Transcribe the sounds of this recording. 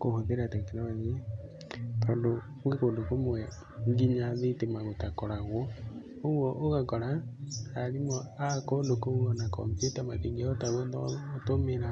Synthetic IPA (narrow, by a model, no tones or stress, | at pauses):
kohoðeɾatakenamaðe | pando | wekoːndokomowɛ | ŋɡiɲaðetemaɣotakɔɾaɣɔ | oɣwɔʔoɣakɔɾaaɾimɔakɔndokomuɔnakɔ̰metamateŋɡiaotaɣondɔtomeɾa